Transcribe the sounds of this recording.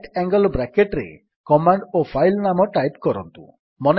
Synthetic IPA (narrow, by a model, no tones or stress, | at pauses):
ʈɛŋɡɔlbɾakeʈɾḛ | kɔmaɳɖopʰajlnamɔʈajpkɔɾɔ̰nt̪ṵ | mɔn